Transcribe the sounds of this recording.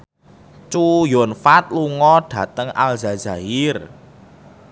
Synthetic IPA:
t͡ʃujɔnfat̪̚luŋɔɖ̥a̤t̪əŋa̰lzazaɪr

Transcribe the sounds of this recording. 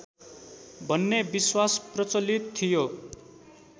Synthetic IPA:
bʱʌnːebiswasprʌt͡sʌlit̪ʰːijo

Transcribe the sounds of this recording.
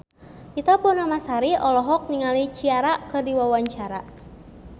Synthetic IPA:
ʔit̪apunamasaɾiʔɔlɔɦɔk̚niŋalit͡ʃiaɾaʔkɨrdiwawaɲt͡ʃaɾaʔ

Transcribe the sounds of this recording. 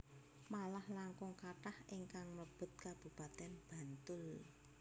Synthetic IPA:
malahlaŋkʊŋkaʈahʔiŋkaŋmləb̥ʊ̤t̪̚kab̥upat̪ɛnb̥a̤nt̪ʊl

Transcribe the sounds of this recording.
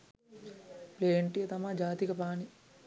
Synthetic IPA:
pleːɳʈijɐt̪ɐmad͡ʒaːt̪ikɐpaːni

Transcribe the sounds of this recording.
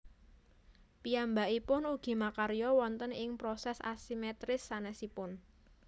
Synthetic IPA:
pijambaʔipʊnuɡ̥i̤makaɾjɔwɔnt̪ənɪŋpɾɔsɛsa̰simɛt̪ɾɪsːanɛsipʊn

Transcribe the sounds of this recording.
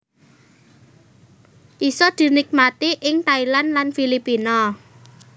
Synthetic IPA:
ʔisɔd̪̥i̤nɪk̚mat̪iʔɪŋt̪ailanlanfilipinɔ

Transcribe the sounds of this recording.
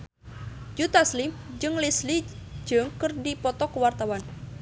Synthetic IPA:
d͡ʒut̪aslimd͡ʒɨŋlislid͡ʒɨŋkɨrdipɔt̪ɔkəwart̪awan

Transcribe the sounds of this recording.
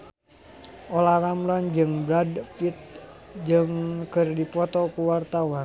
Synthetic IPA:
ʔolahramland͡ʒɨŋbɾadpit̪̚d͡ʒɨŋkərdipɔt̪ɔkuwart̪awan

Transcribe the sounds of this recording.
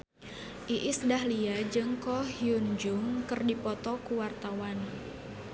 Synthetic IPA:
ʔiʔɪsdahliad͡ʒɨŋkɔhiund͡ʒʊŋkɨrdipɔt̪ɔkuwart̪awan

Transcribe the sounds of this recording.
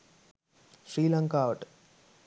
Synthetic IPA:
ʃɾiːlɐŋkaːʋɐʈ

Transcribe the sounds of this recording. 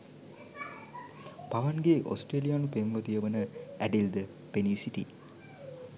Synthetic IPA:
paʋanɡeʔo̰sʈeːlijaːnupemʋət̪ijəʋənəæɖild̪ə | peniːsiʈḭ

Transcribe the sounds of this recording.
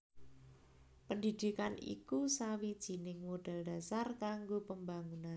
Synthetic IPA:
pəndid̪̥ikanḭkusawid̥ʒ̥i̤nɪŋmoɖ̥a̤ld̥a̤sarkaŋɡopəmbaŋunan

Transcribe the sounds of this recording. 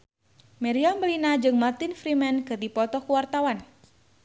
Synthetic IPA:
mɛɾiambəlinad͡ʒɨŋmart̪ɪnfɾimɛnkərd̪ipɔt̪ɔkuwart̪awan

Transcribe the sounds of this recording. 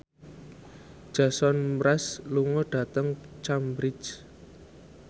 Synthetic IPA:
d̥ʒ̥a̤sɔnɾasluŋɔɖ̥ä̤t̪əŋt͡ʃambɾɪt͡ʃ

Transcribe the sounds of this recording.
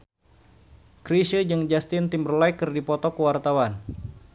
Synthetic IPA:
kɾiʃəd͡ʒɨŋd͡ʒast̪ɪnt̪imbərlajkərdipɔt̪ɔkəwart̪awan

